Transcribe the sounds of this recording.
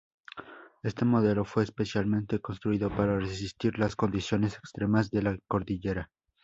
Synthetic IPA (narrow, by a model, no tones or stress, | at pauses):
e̞st̪e̞mo̞ðe̞lo̞fwe̞ːspe̞sjalmẽ̞nt̪e̞ko̞nst̪ɾuiðo̞paɾaresist̪iɾlasko̞nd̪isjo̞ne̞sekst̪ɾe̞mazðe̞lako̞ɾðiʝe̞ɾa